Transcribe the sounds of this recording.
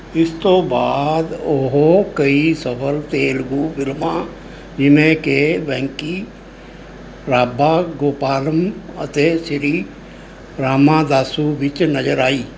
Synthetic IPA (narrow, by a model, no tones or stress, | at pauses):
ɪst̪oːbaːd̪oɦokəisəpʰəlt̪eːlɡubɪlmã | d͡ʒɪmẽkeʋɛ̃ːŋki | ɾaːbaːɡoːpaːləmət̪eʃɾiː | ɾaːmãd̪aːsuʋɪt͡ʃnəd͡ʒəɾaːiː